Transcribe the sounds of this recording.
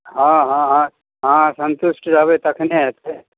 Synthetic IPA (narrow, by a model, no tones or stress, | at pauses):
ɦãːɦãɦã | ɦãsənt̪ʊsʈɾaʋet̪ɐkʰneɦɛt̪ʰe